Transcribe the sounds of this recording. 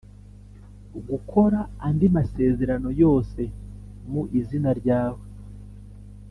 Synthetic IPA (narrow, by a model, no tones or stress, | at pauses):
ɡukʰo̞ɾaːndimase̞ːze̞ɾano̞jo̞ːse̞ | muʔizinaɾɟaːwe